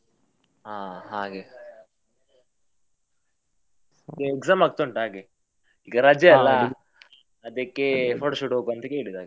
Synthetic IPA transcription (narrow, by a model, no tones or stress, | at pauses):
aːɦaːɡe | d̪eekzaːmaːɡ̚t̪oɳʈɦaːɡe | iːɡɐɾaːd͡ʒjɐɛlːɐ | ɐd̪ɐkːefoːʈoʃuːʈɦokuɐnt̪ɐkeːɭid̪aːɡɐ